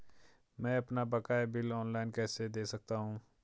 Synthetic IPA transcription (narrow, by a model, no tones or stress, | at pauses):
mɛ̃ɐpnabɐkaːebɪlɔːnlaːɪnkɛːsed̪eːsɐk̚t̪aɦũː